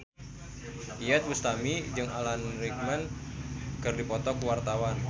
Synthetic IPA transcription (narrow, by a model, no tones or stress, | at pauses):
iɛt̪̚wust̪amid͡ʒɨŋalanɾik̚mɛn | kɨrdipɔt̪ɔkuwart̪awan